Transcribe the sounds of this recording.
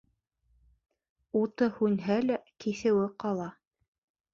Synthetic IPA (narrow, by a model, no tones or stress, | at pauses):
ut̪ɤhʉnɦælækiθɘ̆wɘqɑlˠɑ